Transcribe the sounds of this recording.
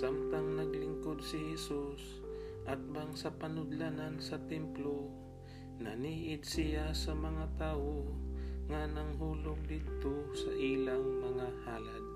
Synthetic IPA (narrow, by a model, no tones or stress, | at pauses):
samt̪aŋnɐɡlɪŋkod̪̚sɪhɛsus | ʔɐt̪̚baŋsɐpɐnʊd̪lanansɐt̪ɛmplo | nɐniːʔɪd̪sɪjasɐmɐŋat̪aːwoŋanɐŋɦuːloɡ̚d̪it̪osɐʔilaŋmɐŋaha̰ːla̰d̪̚